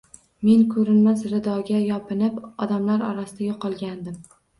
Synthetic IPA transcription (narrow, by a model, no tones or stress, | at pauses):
me̞nkʰɵɾɪnmasɾɪd̪ɒɡʲajɒpʰɪnɪpɒd̪amlaɾɒ̰ɾasɪd̪aɡʲɪqʰɒlˠɡʲand̪ɪm